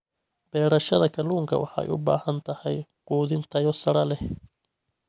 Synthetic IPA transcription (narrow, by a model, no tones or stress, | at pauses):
b̥ɛːɾɐʃɐðɐkʰɐluːŋkʰɐ̰wɑ̰ħɑ̰ːɛ̰jʔʊ̰ba̰ːhɐnt̪ʰɐhɛjquːðɪnt̪ʰɐjɔsɐɾɐlɛh